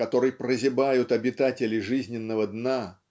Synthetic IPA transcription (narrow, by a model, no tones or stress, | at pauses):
kɐt̪o̞ɾɨjprəzʲɪbajʊt̪ɐbʲɪt̪atʲɪlʲɪʐɨzʲnʲɪnːəvəd̪na